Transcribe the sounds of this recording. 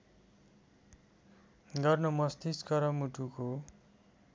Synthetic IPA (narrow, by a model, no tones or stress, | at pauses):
ɡʌrnʌmʌst̪iskʌɾʌmuʈuko